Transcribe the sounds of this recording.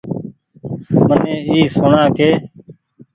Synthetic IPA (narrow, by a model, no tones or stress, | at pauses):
mənẽːiːsoːɳaːkeː